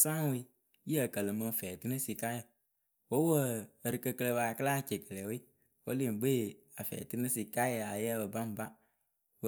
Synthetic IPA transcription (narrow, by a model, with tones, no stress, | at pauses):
sã˦ŋ˦wi˧ | ji˦ə˨kə˨lə˨mə˧˨fɛː˨ti˦nə˦si˧ka˦jə˨ | wo˦wə˦˨ɾɨ˨kə˧kə˧le˧ba˨kə˦la˦˨t͡ʃe˨kə˨lɛ˨wi˦ | wo˦li˦˨ɡ͡be˦˨ | a˨fɛ̰˨ti˦nə˦si˨ka˦jə˨a˨jɛ˦bə˨ba˦m˨ba˦ | w